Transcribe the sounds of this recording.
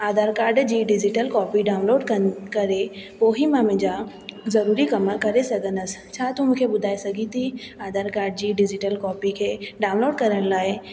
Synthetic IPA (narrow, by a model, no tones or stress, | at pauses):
aːd̪aːɾkaːɾɖd͡ʒiɖɪd͡ʒiʈəlkɔːpiɖaːʊ̃nloːɖkəkɐɾepoːɦimaːmẽd͡ʒaː | zɐɾuːɾikɐmakɐɾesɐɡənɐst͡ʃʰaːt̪umkʰebʊd̪ʱaːesɐɡit̪ʰiaːd̪aːɾkaːɾɖd͡ʒiɖɪd͡ʒɪʈəlkɔːpikʰeɖaːʊnloːɖkɐɾənlaːe